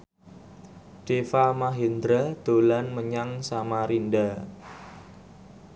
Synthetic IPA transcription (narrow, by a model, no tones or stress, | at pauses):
ɖ̥efamaɦind̪ɾad̪̥olanməɲaŋsamaɾinda